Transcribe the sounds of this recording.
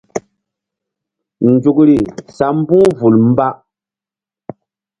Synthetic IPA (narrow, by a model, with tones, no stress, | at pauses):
n̩˨d͡ʒu˨kɾi˨sa˨˦m˦bũ˦vu˨lm̩˦ba˦